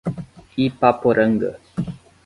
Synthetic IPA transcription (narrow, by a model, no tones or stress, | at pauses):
ipapoɾʔəŋɡə̰